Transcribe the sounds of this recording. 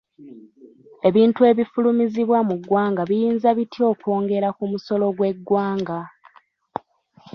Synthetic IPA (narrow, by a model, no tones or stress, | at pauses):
e̞βiːntue̞βifulumiziβwamuɡwaːŋɡaβijiːnzaβitio̞ːkwo̞ːŋɡe̞ɾakumuso̞lo̞ɡwe̞ɡːwaːŋɡa